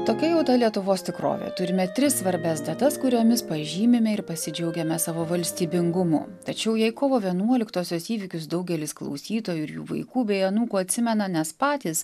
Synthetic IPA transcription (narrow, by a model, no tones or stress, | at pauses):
t̪oːkʲɛjɛʊt̪ɐlʲiɛt̪ʊʋoːst̪ʲɪkɾo̰ːʋʲḛt̪ʊɾʲɪmʲɛt̪ʲɾʲɪssʋɐɾʲbʲɛsd̪ɐt̪ɐskʊɾʲoːmʲɪspɐʒʲiːmʲɪmʲɛɪɾpɐsʲɪd͡ʒʲɛʊɡʲɛmʲɛsɑːʋoːʋɐlʲsʲt̪ʲiːbʲɪŋɡʊmʊ̰ːt̪ɐt͡ʃʲɛʊjɛɪkoːʋoːʋʲiɛnuɔlʲɪkt̪oːsʲoːsiːʋʲɪkʲʊs̬d̪ɐʊɡʲɛlʲɪsklˠɐ̰ʊsʲiːt̪oːjuɪɾjṵːʋɐ̰ɪkuːbʲɛɪɐnuːkuːɐt̪ʲsʲɪmʲɛnɐnʲɛspɑːt̪ʲiːs